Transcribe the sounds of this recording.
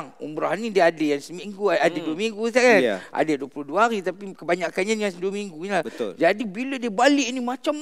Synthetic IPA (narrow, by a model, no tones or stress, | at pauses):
ŋṵmbɾoɦanːĩdiəadajaŋsəmiŋɡuadaduamiŋɡus̬akan̰ʔa̰dajanduəpulohduaɾit̪apikəbaɲakanɲadəŋansəduamiŋɡuɲilahbət̪ʊ̰ld͡ʒadibilədiəbalɪʔnimat͡ʃam